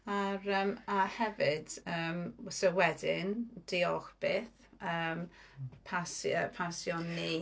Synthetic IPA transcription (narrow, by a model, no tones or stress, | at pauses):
aɾəmahɛvɪdəːmsəwɛdɪnd̥iɔxb̥eːθ | əːmpʰasəpʰasjɔnːi